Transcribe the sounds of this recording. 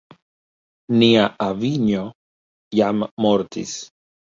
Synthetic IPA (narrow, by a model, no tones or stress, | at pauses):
niaʔaviɲo | jamːoɾt̪ḭs